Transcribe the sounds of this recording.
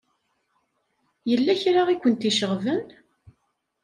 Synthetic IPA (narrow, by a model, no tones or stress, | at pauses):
jəlːæçɾaʁikʷːənt̪iʃəʁvən